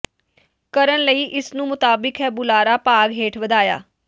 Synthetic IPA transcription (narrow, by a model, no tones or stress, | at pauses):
kəɾənləiːʔɪsnũːmʊt̪aːbɪkɦɛːbʊlaːɾaːpaːɡɦeːʈʰʋəd̪aːja̰ː